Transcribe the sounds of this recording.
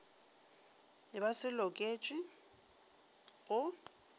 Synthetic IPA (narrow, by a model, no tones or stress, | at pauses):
ɪbasɪlɔkʼeːt͡ʃʼɪ | ɣʊ